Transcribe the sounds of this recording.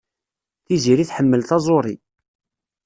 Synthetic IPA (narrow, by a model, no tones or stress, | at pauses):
θiziɾiθħəmːəlθɑzˤoɾˤi